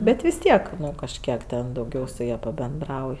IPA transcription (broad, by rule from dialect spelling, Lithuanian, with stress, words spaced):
ˈbʲɛt ʋʲɪs ˈtʲiɛk ˈnʊ kɐʃʲˈkʲiɛk tʲɛn dɐʊˈɡʲɛʊ sʊ ˈjɛ pɐbʲɛnˈdrɐʊj